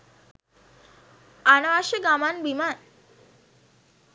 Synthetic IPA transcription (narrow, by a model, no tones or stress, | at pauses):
anəʋaʃəɡamanbiman